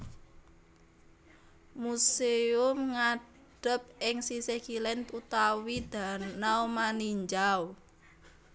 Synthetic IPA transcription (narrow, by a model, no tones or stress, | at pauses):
museʊmŋa | ɖ̥ə̤p̚ɪŋsisekilɛnt̪ut̪awid̪̥a̤naumaniɲd͡ʒaw